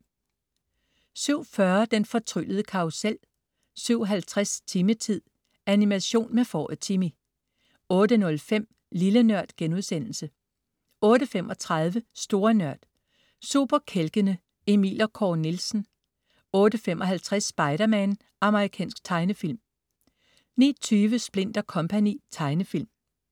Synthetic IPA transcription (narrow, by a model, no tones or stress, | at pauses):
syʊ̰fɶɐd̥enfɒ̽t͡sʰʁyləð̞̩ˠəkʰɑ̈usel̰ | syʊ̰ɦælt͡sʰʁast͡sʰimət͡sʰið̰ˠ | ænimæɕo̝̰ːnmefɒ̰ːð̩ˠt͡sʰimi | ɔ̽ːd̥ənɔ̽lfem̰ | lilənɶɐ̰d̥ɡ̥enuð̞̰ˠsen̰l̩sə | ɔ̽ːɾəfemʔɒ̽t͡sʰʁɑðˠʋəsd̥o̝ːɐnɶɐ̰d̥ | sṵb̥ɐkʰelɡ̥ənə | e̝mḭːlɐkʰɒ̰ːnilsn̩ | ɔ̽ːɾ̥əfem̰ʔɒ̽ɦælt͡sʰʁɛsːb̥ɑ̈ɪɾ̥ɐmæn | ʔɑ̈məʁikʰɛ̰ːnsɡ̥t͡sʰɑ̈ɪnəfil̰m | nḭːt͡sʰyːʋəsb̥le̝n̰d̥ɐkʰɒ̽mpʰænḭːt͡sʰɑ̈ɪnəfil̰m